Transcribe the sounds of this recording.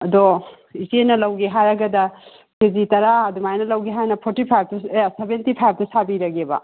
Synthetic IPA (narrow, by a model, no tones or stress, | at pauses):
ɐdo | izenɐlɐwɡeɦajɾɐɡɐdɐ | kezitɐɾaɐdumajnɐlɐwɡeɦajnɐpʰoɾtipʰajb̚tueasebentipʰajb̚ʰtɐsabiɾɐɡebɐ̰